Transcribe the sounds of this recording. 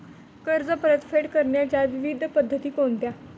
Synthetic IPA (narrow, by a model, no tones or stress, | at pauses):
kəɾd͡zəpəɾət̪feʈkəɾɳjat͡ɕjaʋiʋid̪ʱːəpəd̪ʱːət̪iːkont̪ja